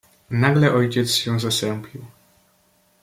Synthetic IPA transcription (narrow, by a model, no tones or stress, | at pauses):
naɡlɛʔɔjt͡ɕɛt̪sɕɛ̃zasɛmpʰʲiw